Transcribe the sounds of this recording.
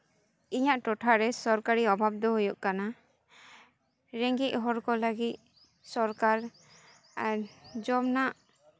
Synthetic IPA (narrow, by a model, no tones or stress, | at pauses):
iɲaʔʈɔʈʰaɾɛsɔɾkaɾiɔbʱab̚d̪ɔɦujuʔkana | ɾɛŋɡit̪̚ˀɦɔɾkɔləɡit̪̚ | sɔɾkaɾ | aɾd͡ʒɔmnaʔ